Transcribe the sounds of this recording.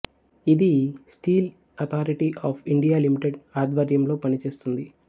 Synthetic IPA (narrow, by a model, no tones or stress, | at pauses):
id̪isʈiːl | ɐt̪ʰaːɾiʈiʔaːpʰiɳɖijaːlimiʈeɖaːd̪ʋɐɾjɐmlo̞ːpɐnit͡ʃe̞ːst̪und̪i